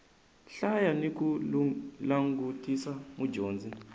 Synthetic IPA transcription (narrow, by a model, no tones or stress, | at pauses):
ɬajaniku | laŋɡutisamud͡ʒoːnd͡zi